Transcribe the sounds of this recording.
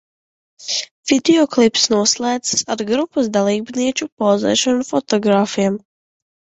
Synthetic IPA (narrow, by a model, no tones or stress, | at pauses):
v̥ʲid̪ʲiɔklˠipsnuɔslˠaːd̪zsaɾɡɾupːas̬d̪alˠiːbniɛt͡ʃupɔzɛ̰ːʃɔnufɔt̪ɔɡɾaːfijam